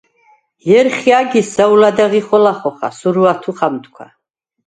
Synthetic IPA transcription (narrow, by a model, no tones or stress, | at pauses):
jɛɾχiaɡisaulad̪aʁiχɔlaχɔχa̰suɾuat̪ʰuχamt̪ʰkʷʰwa̰